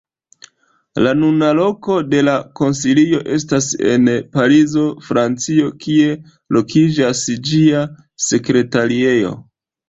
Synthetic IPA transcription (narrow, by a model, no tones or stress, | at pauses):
lanunalo̞ko̞de̞lako̞nsilio̞ʔe̞stase̞̰npaɾizo̞fɾant͡sio̞kie̞ | lo̞kʰid͡ʒasd͡ʒia | se̞kɾe̞taɾie̞jo̞̰